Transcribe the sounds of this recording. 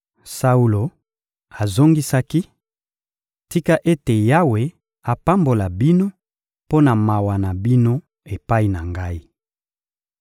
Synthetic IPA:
sa˦u˦lo˨ | a˨zo˦ŋɡi˦sa˦ki˦ | ti˦ka˦ʔe˦te˨ja˦we˨ | a˨pa˦mbo˨la˨bi˦no˦ | po˦na˨ma˨wa˨na˨bi˦no˦ | e˨pa˦i˦na˨ŋɡa˦i˦

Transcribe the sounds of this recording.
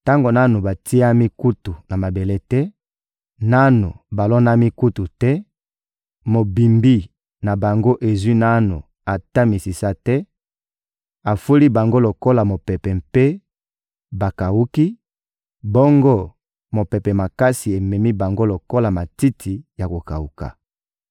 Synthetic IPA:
ta˦ŋɡo˨na˦nu˨ba˨tʰi˦a˦mi˦ku˦tu˨na˨ma˨be˨le˦tɛ˦ | na˦no˨ba˨lɔ˦na˦mi˦ku˦tu˨tɛ˦ | mo˨bi˨mbi˦ | na˨ba˨ŋɡo˦ʔe˨zwi˦na˦nu˨ | a˨ta˦mi˨si˨sa˦tɛ˦ | a˨fu˦li˦ba˨ŋɡo˦lo˨ko˦la˨mo˨pɛ˨pɛ˨mpe˦ | ba˨ka˨wu˦ki˦ | bɔ˦ŋɡo˦ | mo˨pɛ˨pɛ˨ma˨ka˦si˨e˨mɛ˨mi˦ba˨ŋɡo˦lo˨ko˦la˨ma˨ti˦tʰi˨ja˨ko˨ka̰˨wu˨ka̰˨

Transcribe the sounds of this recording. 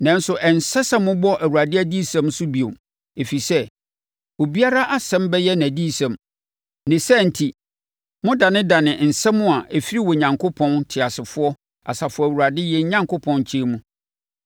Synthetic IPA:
nã˨˦n̩˦sʊ˨ʔɛ˨n˨sɛ˦sã˦mʊ̃˦bɔ˦ʔæ˨wu˨a˨dɪ˦æ˦di˦sã˨msʊ˦bi˨o˨m | e˨fi˨sɛ˦ | o˨bi˦a˦ɾa˦ʔa˦sɛ̃˦mbɛ˦jɛ˦næ̃˨di˦sã˨m | nɪ̃˨sɛ˦˨n̩˨tʰi˨ | mʊ̃˦da˨nɪ̃˦da˨nɪ̃˨n̩˨sɛ̃˦mʊ̃˦a˨ʔe˨fi˦ɾi˦wɔ˨ɲã˨ŋkʰo˦pʰɔ̃˦ntʰɪ˨a˨sɪ˨fʊ˦ɔ˦ | a̰˨sa˨fʊ˦ɔ˨æ˨wu˨ɾa˨dɪ˦jɛ˦ɲã˦ŋkʰo˦pʰɔ̃˦nt͡ɕʰi˦mũ˦

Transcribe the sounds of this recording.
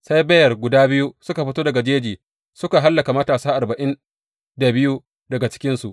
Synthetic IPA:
sa˦jbɐ˦jɐ˨rɡʷʊ˨daː˦bɪ˦ju˦sʊ˦ka˨ɸɪ˦toː˦dɐ˨ɡa˨d͡ʒeː˦d͡ʒiː˨ | sʊ˦ka˨ɦa˦lːɐ˨ka˨mɐ˦taː˨saː˦ʔa˨rbɐ˨ʔɪ˦n | da˨bɪ˦ju˦ | dɐ˨ɡa˨t͡ʃɪ̥˦kʲɪ˦nsu˨ʔ

